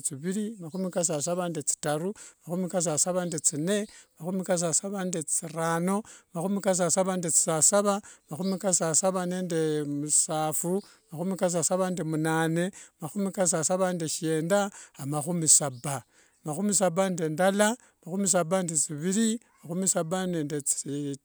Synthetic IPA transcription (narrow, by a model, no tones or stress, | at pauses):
t͡siβiɾimaxumikas̬as̬aβandet͡si̥taɾumaxumikas̬asaβandet͡sine̞maxumikas̬asaβandet͡siraːno̞maxumikas̬asaβandet͡si̥sasaβamaxumikasasaβaneːndemusaːfu | maxumikas̬asaβandemunaːne̞maxumikas̬asaβandeʃeːndaamaxumisaba | maxumisabande̞ndala | maxumis̬abandet͡siβiɾi | maxumisabaneːndet͡si